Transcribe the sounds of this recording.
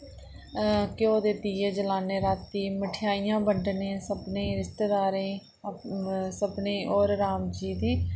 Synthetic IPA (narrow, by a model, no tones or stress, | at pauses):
kjoːd̪eːt̪iːeːd͡ʒəlaːneːɾaːt̪ːiːməʈʰɪjaːijãːbəɳɖnẽːsəbnẽːɾɪst̪eːd̪aːɾẽː | səbnẽːʔoːɾɾaːmd͡ʒiːd̪iː